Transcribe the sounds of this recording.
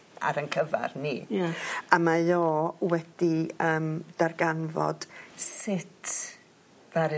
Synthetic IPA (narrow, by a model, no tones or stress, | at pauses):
a̰ɾənkʰəva̰rnijaamajɔːwɛd̥iəːmd̥arɡanvɔ̰d̥sɪtʰ | v̥aɾɨ